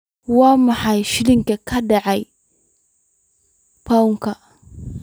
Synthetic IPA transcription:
wamahajʃiliŋkekadaʔaj | pauka

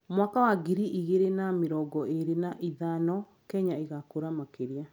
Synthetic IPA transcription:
mwakawaɡiɾiʔiɣeɾenameɾɔɡɔʔeɾenaʔiðanɔ | kɛɲaeɣakoɾamakeɾia

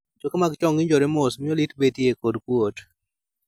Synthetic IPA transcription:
d͡ʒokemaɡt͡ʃɔŋɡɪɲd͡ʒɔɾɛmɔsmɪɔlitbetiekodkwot

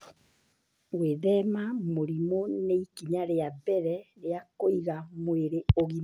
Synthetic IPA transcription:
weðɛmamoɾimoneikiɲaɾeabɛɾɛɾeakoiɣamweɾeoɣima

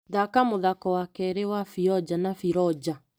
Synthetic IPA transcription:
ðakamoðakɔwakɛɾewafiɔd͡ʒanafiɾɔd͡ʑa

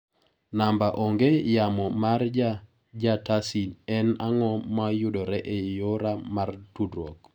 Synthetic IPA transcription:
nambaʔɔŋɡejamɔmard͡ʒa | d͡ʒatasilɛna̰ŋɔmajʊdɔɾɛʔejoɾamartudɾɔk

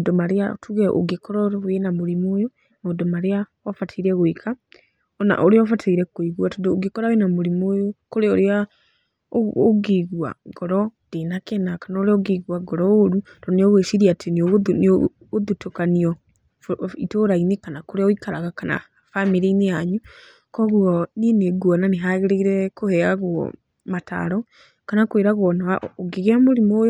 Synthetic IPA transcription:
adɔmaɾea̰tuɣɛʔo̰ɡekɔɾɔɾwenamoɾemojo | maodɔmaɾeawafatʰeiɾɛɣweka | ɔna̰ʔoɾeɔfatʰaiɾɛkoiɣwatɔdooɡekɔɾawenamoɾimojokoɾeoɾea | o̰ɡeɣua̰ɡɔɾɔd̥enakɛnakanɔɾeɔɡeɣwaɡɔɾɔoɾu | d̥ɔneɔɣweʃiɾiatʰeneoɣn | oðutokaniɔ | itoːɾainekanakoɾeɔikaɾaɣakana̰ | famiɾeinejaɲu | kɔɣuɔnieneɡuananeɦaɣeɾeiɾɛkohɛaɣwɔ̰ | mata̰ɾɔ | kanakweɾaɣwɔnaaoɡeɣeamoɾimoːjo

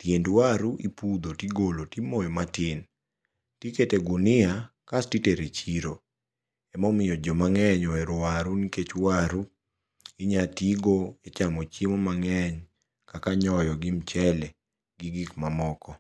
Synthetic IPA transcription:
tjendwaɾuʔipud̪otiɡolotimojɔmatɪn | tiketeɡunɪakastiteɾet͡ʃiɾo | ɛmɔmɪjɔd͡ʒɔmaŋɛɲɔɛɾʊaɾuniket͡ʃwaɾu | ɪɲatiɡoet͡ʃamɔt͡ʃemɔmaŋɛɲ | kakaɲɔjɔɡimt͡ʃɛlɛ | ɡɪɡɪkmamɔkɔ

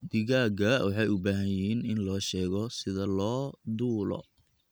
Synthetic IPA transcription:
d̪ɪɣaːɡɐwɑħɑjʊbaːɦɐjiːnɪnlɔːʃɛːɣɔsɪðɐlɔːd̪uːlɔ̰

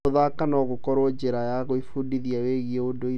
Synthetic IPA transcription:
oðakanɔɣokɔɾwɔd͡ʑeɾajaɣoifudiðiaweɣieodoi

